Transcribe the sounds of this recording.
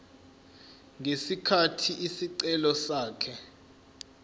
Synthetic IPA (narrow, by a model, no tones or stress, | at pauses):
ŋesikʰatʰiʔisiǀɛlɔsaːkʰɛ